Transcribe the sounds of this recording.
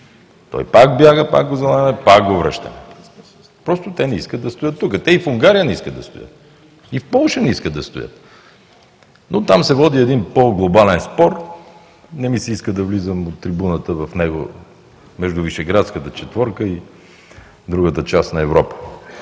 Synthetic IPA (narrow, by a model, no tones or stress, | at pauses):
t̪ɔ̰jpakbjaɡəpa̰kɡozɐlˠamɛpak̚ɡovɾə̰ʃt̪ə̰mɛ | pɾɔst̪oʊt̪ɛnɛiskəd̪ɐst̪ʊjət̪ːukət̪ɛifuŋɡaɾijənɛiskəd̪d̪ɐst̪ʊ̰jə̰t̪̚ | ifpɔlˠʃənɛiskəd̪d̪ɐst̪ʊ̰jə̰t̪ | not̪amsɛvɔd̪iɛd̪inpoɡlˠobalɛnspɔɾ | nɛmisɛiskəd̪ɐvlizəmot̪ːɾibunət̪əvɐfnɛɡo̰ | mɛʒd̪ʊviʃɛɡɾat̪skət̪ət͡ʃɛt̪vɔɾkəi | d̪ɾuɡət̪ət͡ʃasnɐɛvɾɔpə̥